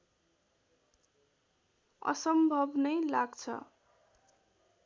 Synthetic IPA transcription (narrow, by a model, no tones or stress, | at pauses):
ʌ̰sʌmbʱʌbnʌjlaɡt͡sʰʌ̰